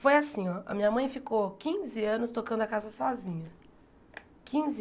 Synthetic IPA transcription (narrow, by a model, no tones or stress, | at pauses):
fojasĩɔʔɐ̰mĩɲɐmɐ̃j̃fikokĩzɪɐ̃nʊst̪okɐ̃nd̪ʊakazɐsɔzĩɲɐ | kĩzɪ